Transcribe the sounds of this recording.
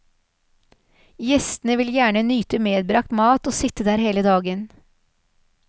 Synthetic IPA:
jɛst̪ən̩əʋɪljæːɳənyːt̪əmeːd̪̚bɾɑk̚t̪mɑːt̪oːsɪt̪ːəd̪æːɾheːləd̪ɑːɡən

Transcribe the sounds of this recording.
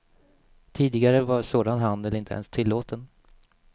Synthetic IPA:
t̪ʰiːd̪ɪɡaɾəvaɾʂoːd̪anɦand̪əlɪnt̪ʰə̰ɛ̰nst̪ʰɪlːoːt̪ən

